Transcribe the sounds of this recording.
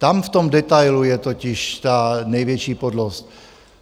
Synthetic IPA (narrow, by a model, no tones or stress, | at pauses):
t̪amft̪omdɛt̪ajlujɛt̪ocɪʃt̪anɛjvjɛt͡ʃiːpodlost̪